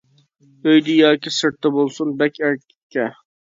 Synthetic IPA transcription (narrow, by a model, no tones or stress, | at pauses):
øjd̪ɪjɑːkʲisɨɾt̪ʰːɛbolˠsunbɛkʲʰæɾkʲɪkʲʰːɛ